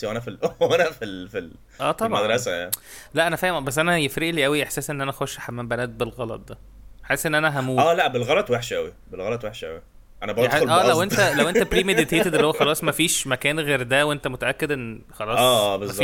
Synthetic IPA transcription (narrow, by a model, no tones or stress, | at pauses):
iwʔænæfiænæfilfil | ʔæːt̪ˤɑbʕmæd̪ɾɑsæælæʔænæfæːhmbæsːʔænæjefɾeʔliːʔæwiʔeħsæːsʔenːʔænæʔæxoʃːħamːæːmbænæːt̪̚belɣɑlɑ̰t̪̚ˤd̪æ | ħaesːʔenːʔænæɦæmuːæːlæʔbelɣɑlɑt̪weħʃʔæwi | belɣɑlɑt̪ˤweħʃʔæ̰wi | ʔænæbɑoʔæːlæwʔent̪ælæwʔent̪æpɾiːmed̪it̪eːt̪ed̪eliːhowːæxɑlɑːsˤmæfiːʃmækæːnɣeːɾd̪æwʔent̪æmot̪æʔækːed̪ʔenːxɑlɑːsæˤːbezː